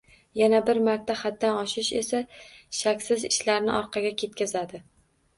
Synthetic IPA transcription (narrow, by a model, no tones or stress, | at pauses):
janabɪɾmaɾt̪ʰːaχad̪̚ːanɒʃɪʃe̞̰saʃakʲsɪzɪʃlaɾnɪ̰ʔɒɾqʰɑɡʲakʲʰe̞t̪̚kʲazad̪ɪ